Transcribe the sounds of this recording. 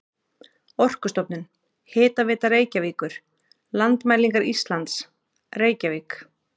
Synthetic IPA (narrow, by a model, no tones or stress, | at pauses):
ɔr̥kʏst̪ɔpnʏn | hɪːt̪avɪːt̪areːjcaviːkʏɾ̥ | lant̪majliŋkaɾist̪lant̪s | reːjcaviːk